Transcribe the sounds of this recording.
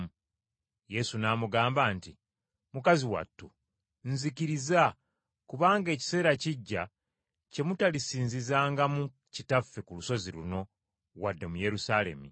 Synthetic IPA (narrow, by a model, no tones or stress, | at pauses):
je̞sunaːmuɡaːmbaːnti | mukaziwa̰tːu | nzikiɾiza | kuβaːŋɡe̞ːci̥se̞ːɾaciɟːa | ce̞mutalisiːnzizaːŋɡamu | citafːe̞kuluso̞zilṵno̞ | ɣwadːe̞muje̞ɾusale̞̰mḭ